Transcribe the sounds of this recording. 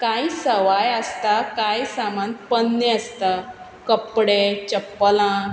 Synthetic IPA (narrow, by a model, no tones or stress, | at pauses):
kaisəʋajəst̪akajsamanpənːeəst̪a | kəpːɽet͡ɕəpːəlã